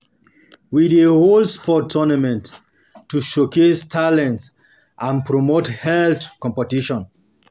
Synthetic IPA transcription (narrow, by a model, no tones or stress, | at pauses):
wideholspʰɔtʰːɔnamɛ̃nt | tːuʃokestʰalɛ̃nts | ʔãnpʰɹɔmothɛlθkɔ̃mpətiʃɔ̃n